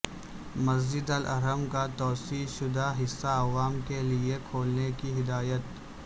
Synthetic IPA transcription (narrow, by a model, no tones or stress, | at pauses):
mɐzd͡ʒɪd̪əlʔɐ̰ɾəmkat̪ɔːsiːʃʊd̪aɦɪsːaɐʋaːmkeliekʰoːlnekiɦɪd̪aːjət̪̚